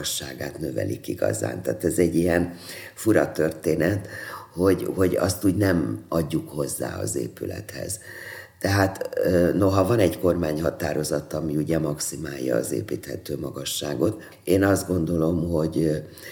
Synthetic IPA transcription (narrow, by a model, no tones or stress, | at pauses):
ʃːaːɡaːt̪nø̞vɛ̰likiɡɒ̰za̰ːnt̪aːt̪ɛzɛɟːijɛn | fuɾɒt̪ørt̪eːnɛt̪ho̞ɟho̞ɟɒ̰st̪uːɟnɛmɒɟːukho̞zːa̰ːɒ̰zḛːpylɛ̰t̪hɛ̰z̥t̪ɛɦaːt̪øːno̞ɦɒvɒnɛɟko̞rmaːɲhɒt̪aːɾo̞zɒt̪ɒmiuɟɛmɒksimaːjːɒːzḛːpiːt̪hɛt̪øːmɒɡɒʃːaːɡo̞t̪ | eːnɒzd̪ɡo̞nd̪o̞lo̞mho̞ɟ